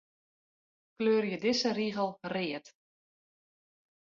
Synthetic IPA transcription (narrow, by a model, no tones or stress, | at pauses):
kløːrjədɪsəriɣəlˠrɪət